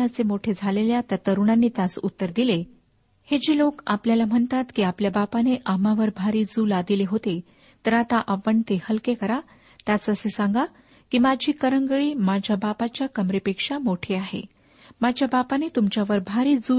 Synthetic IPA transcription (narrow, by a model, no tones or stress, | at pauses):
at͡semoʈʰed͡zʱaleljat̪at̪əɾuɳanːiːt̪asut̪ːəɾd̪ile | hed͡ʑeloka̰pljalam̤əɳt̪at̪kiːapljabapaneʔamaʋəɾbʱaɾiːd͡zuːlad̪ileɦot̪e | t̪əɾat̪aʔapəɳt̪ehəlkekəɾa | t̪jat͡səsesaŋɡa | kiːmad͡ʑʱiːkəɾəŋɡəɭiːmad͡ʑʱjabapat͡ɕjakəmɾipekʂamoʈʰeaɦḛ | mad͡ʑʱjabapanet̪umt͡ɕjaʋəɾbʱaɾiːd͡zu